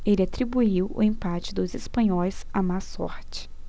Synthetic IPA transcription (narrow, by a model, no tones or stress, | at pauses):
elɪat̪ɾibuiwʊ̰ẽmpat͡ʃɪd̪ʊzespɐ̃ɲɔjsamasɔ̰ɾt͡ʃɪ̥